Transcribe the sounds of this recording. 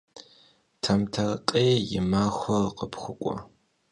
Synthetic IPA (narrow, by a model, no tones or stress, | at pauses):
tʰɐmtʰɐrqʼeːjɪmaːxʷɔrqəpxʷʊkʷʼɔ̰